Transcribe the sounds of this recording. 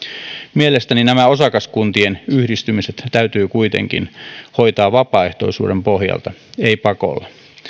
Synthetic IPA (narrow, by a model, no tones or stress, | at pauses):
mielest̪æninæmæo̞sɑkɑskunt̪ienyhdist̪ymiset̪t̪æyt̪yːkujt̪ḛŋkḭnho̞jt̪ɑːʋʋɑpɑːeht̪o̞̰isṵːdempo̞hjɑ̰lt̪ɑeipɑko̰lːɑ